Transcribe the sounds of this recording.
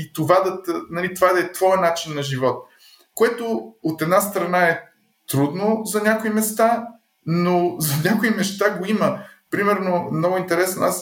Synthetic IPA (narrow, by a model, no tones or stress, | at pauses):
it̪ovad̪ɐt̪nɐlit̪ovad̪ɐɛt̪vɔjənat͡ʃinːɐʒivɔt̪̚ | koɛt̪oot̪ɛd̪nast̪ɾɐnaɛ | t̪ɾud̪nozɐnʲakoimɛst̪a | nozɐnʲakoimɛʃt̪aɡoiməpɾimɛɾnomnɔɡʊint̪ɛɾɛsno̰as